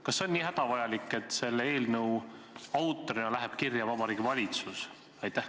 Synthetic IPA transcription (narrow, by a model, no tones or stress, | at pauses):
kɑsːe̞o̞nːʲiːɦæd̪̥ɑvɑjɑlikˑːe̞t̪ːse̞lːe̞ːlnɤ̞w | ɑwt̪ːˑoɾinɑlæɦeb̥kirjɑvɑbɑɾiːɡivɑlʲit̪sus | ɑjt̪ːæh